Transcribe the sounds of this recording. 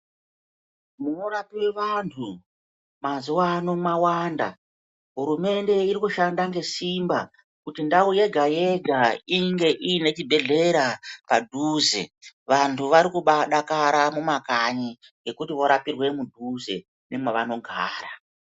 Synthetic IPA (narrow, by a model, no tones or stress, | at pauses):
muno̞ɾapiwe̞ʋantʰu | mazuwanomawaːnda̰ | ɦuɾume̞nde̞iɾikuʃandaŋɡe̞simba | kutindauje̞ɡʱaje̞ɡʱaiŋɡe̞ʔine̞t͡ʃibʱe̞ɮe̞ɾapadʱuːze̞̰ʋantʰuʋaɾikuɓaɗakaɾamumakaɲi | ŋɡe̞kutiʋo̞ɾapirwe̞mudʱuze̞ | nemwaʋano̞ɡʱaːra